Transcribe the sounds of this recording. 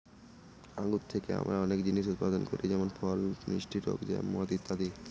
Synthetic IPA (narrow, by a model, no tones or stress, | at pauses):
aɡut̪t̪ʰːekea̰mɾaɔnekd͡ʑiniʃ̬ut̪̚pad̪onkoɾid͡ʑɛmonfɔlnḭʃʈʰiʈ̪o̰kd͡ʑa̰mɔad̪it̪ːad̪i